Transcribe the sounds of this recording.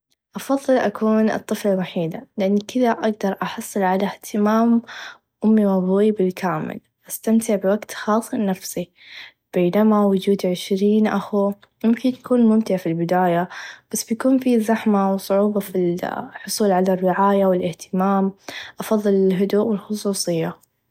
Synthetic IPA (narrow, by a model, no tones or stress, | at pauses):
ʔɑfɑðˤːɨlʔakuːnʔɨ̰t̪ˤːɨflalwaħiːd̪alɪʔanːikʰɪðaʔaɡ̚d̪ɑɾˤʔɑħɑsˤːɨlʕalaht̪ʰɪmaːm | ʔʊmːiwabibɪlkʰaːmɪ̰l | ʔast̪amt̪ɪʕbɪwaɡt̪xɑːsˤnafsi | b̥eːnamawʊd͡ʒuːd̪ʕɪʃɾiːnʔaxu | mʊmkɪnʔakuːnmʊmt̪ɪʕafilbɪd̪aːjab̥asːbjakuːnfizaħmawsˤʊʕuːbɑfilħʊsˤuːlʕalarːɪʕaːjawɪlʔɪht̪ɪmaːmʔɑfɑðˤːɨlɪlɦʊd̪uːʔwɪlxʊsˤuːsˤɨjːa